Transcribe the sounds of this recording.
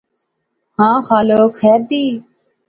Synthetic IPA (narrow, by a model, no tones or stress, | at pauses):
hãːxaːloːkxɛːɾd̪iː